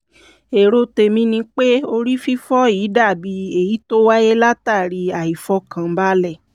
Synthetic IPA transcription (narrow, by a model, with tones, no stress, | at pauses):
e˨ɾo˦te˧mĩ˧nĩ˧k͡pe˦o˧ɾi˦fi˦fɔ˦iː˨˦da˦˨bi˧e˨ji˨˦to˦wa˦je˦la˦ta˦˨ɾi˧a˨i˨fɔ˧˦kã˧˦ba˦lɛ˦˨